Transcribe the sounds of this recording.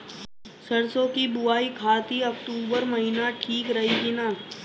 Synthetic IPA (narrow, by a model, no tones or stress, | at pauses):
sɐɽsõkibʊaːikʰaːt̪iɐkʈuːbəɾmɐɦɪnaʈʰiːkɾɐɦikinaː